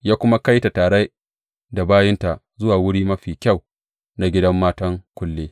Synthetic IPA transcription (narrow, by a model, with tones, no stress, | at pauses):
jaː˦kʷʊ˦ma˦ka˦jta˨taː˨ɽe˦ | da˨baː˦jɪ˦nta˨ʔ | zʊ˦waː˨wʊ˦ɽiː˦mɐ˦ɸiː˨kʲa˦˨w | na˨ɡʲɪ˦dɐ˦mːaː˦tɐ˦ŋkʷʊ˦lːeː˦